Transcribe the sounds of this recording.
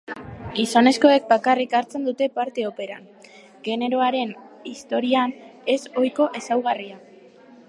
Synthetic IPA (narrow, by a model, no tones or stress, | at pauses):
isane̞sko̞e̞k̚bakarikaɾt͡se̞nd̪ut̪e̞paɾt̪e̞o̞pe̞ɾa̰n | ɡe̞ne̞ɾo̞aɾe̞nist̪o̞ɾiane̞so̞jko̞ʔe̞sawɣ̞aria